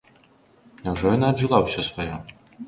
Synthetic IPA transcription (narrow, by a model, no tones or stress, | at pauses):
nʲawʐɔjɔnaːdʐɨlˠawsʲɔsvajɔ